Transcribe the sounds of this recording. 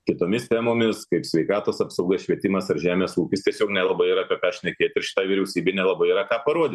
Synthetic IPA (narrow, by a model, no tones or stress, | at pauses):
kʲɪt̪oːmʲɪst̪ʲæːmoːmʲɪskɐɪpsʲʋʲɛɪkɑːt̪oːsɐpsɐʊɡɐsʃʲʋʲiɛt̪ʲɪmɐsɐɾʒʲæːmʲeːsuːkʲɪst̪ʲiɛsʲoːknʲɛlˠɐbɐɪiɾɐkɐt̚kɑːʃʲnʲɛkʲeːt̪ʲɪɾʃʲɪ̥t̪ɑːʋʲiɪɾʲɛʊsʲiːbʲɛɪnʲɛlˠɐbɐɪiɾɐkɑːpɐɾuɔd̪ʲɪ